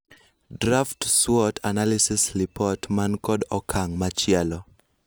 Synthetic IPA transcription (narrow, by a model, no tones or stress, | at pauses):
draftswɔtʰanalisɪslipɔtmankɔdɔkʰaŋmat͡ʃɪɛlɔ